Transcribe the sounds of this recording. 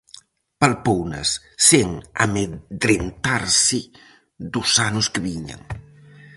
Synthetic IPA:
palpownɐ̰sː | eŋa̰meðɾent̪aɾsɪ | d̪ʊsanʊskeβiɲa̰ŋ

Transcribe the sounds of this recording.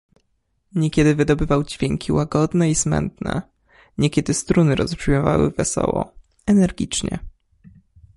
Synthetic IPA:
ɲɛkʲɛd̪ɘvɘd̪ɔbɘvawd͡ʑvʲjɛŋkʲiwaɡɔd̪nɛismɛ̰nt̪nɛ̰ | ɲɛkʲɛd̪ɘst̪ɾunɘɾɔspʂimɔvawɘ̰vɛsɔ̰wɔ | ɛnɛɾɡʲit͡ʂɲɛ̰

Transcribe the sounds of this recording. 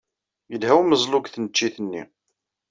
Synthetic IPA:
jəlhæwməzˤlʊkθnət͡ʃːiθənːḭ

